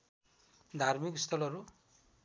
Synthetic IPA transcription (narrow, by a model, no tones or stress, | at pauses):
d̪ʱaɾmikst̪ʰɔlɔɾu